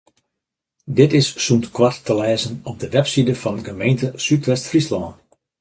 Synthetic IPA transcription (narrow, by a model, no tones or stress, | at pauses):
dɪtɪsːuntkwatːəlɛːzənɔp̚dəʋɛpsidəfɑnɡəmejntəsytʋɛstfrislɔːn